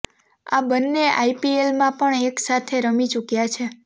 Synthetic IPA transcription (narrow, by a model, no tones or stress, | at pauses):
a̰bənːeaipielmãpəɳeksat̪ʰeɾəmit͡ʃukjat͡ʃʰe